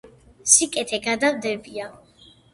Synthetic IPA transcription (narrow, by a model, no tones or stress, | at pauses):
sikʼɛt̪ʰɛɡad̪avd̪ɛbia